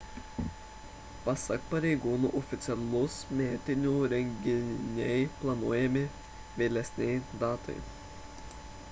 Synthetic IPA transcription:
pɐsɐkpɐɾʲɛɪɡuːnuːʔɔfʲɪt̪sʲɛlˠʊsmʲæːt̪ʲɪnʲuːɾʲɛŋʲɡʲɪnʲɛɪplˠɐnuɔjɛmʲɪ | ʋʲeːlʲɛsʲnʲɛɪd̪ɑːt̪ɐ̰ɪ

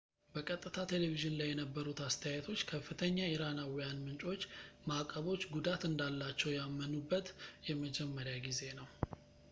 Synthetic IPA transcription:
bəkʼət̪ʼːɨt̪ʰat̪ʰe̞leviʒɪnlajːɛnəbːəɾut̪ast̪ʰəjajt̪ʰo̞t͡ʃːkʰəfːɨt̪ʰəɲːaiɾanawijanmɨnt͡ʃʼo̞t͡ʃːmakʼːəβo̞t͡ʃːɡud̪at̪ɨnd̪alːat͡ʃːɛwjamːənubːət̪jɛməd͡ʒɛmːəɾjaɡize̞nəw

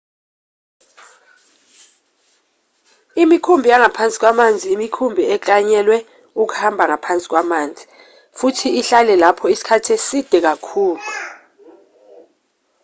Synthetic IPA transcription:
imikʰumbʱijaŋapʰant͡sʼi̥k̬wamand͡zʱiːmikʰumbʱiɛkaɲɛlwɛ | uk̬u̥hambʱaŋapʰant͡sʼi̥k̬wamaːnd͡zʱi | futʰiːɬalɛlapʰɔisi̥kʰatʰesid̥ʱɛk̬akʰuːlu

